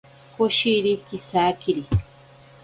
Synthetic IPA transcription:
koʃiɾikisaːkiɾi

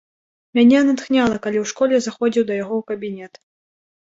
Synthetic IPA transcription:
mʲanʲɛnat̪xnʲalˠɐkalʲiwʂkɔlʲɛzaxɔd͡zʲiwd̪ɐjaɣɔwkɐbʲinʲɛt̪

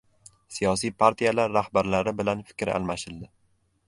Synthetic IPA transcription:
sijɒs̬ijpʰaɾt̪ʰijalaɾːahbaɾlaɾɪbɪlanfɪ̥kʲɾa̰lˠmaʃɪld̪ɪ

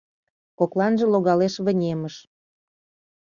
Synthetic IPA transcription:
koklɑnʒĕloɣɑleʃβə̆nʲeməʃ

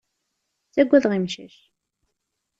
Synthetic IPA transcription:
t͡sːæɡʷːæðʁimʃæʃ

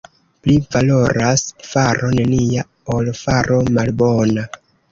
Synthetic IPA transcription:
plivalo̞ɾasfaɾʔo̞ne̞nija | olfaɾʔo̞malbo̞na

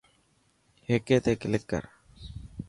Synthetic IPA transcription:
heːkeːt̪eːkɪlɪkːə̰ɾ

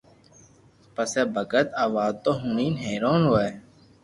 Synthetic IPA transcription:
pəseːbʱəkət̪aːʋaːd̪̚t̪oːɦuniːnɦeːɾoːnɦoːeː

